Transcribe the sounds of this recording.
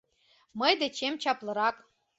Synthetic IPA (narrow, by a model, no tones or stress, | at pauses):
mɤjd̪et͡ɕemt͡ɕɑplˠɤ̆ɾɑk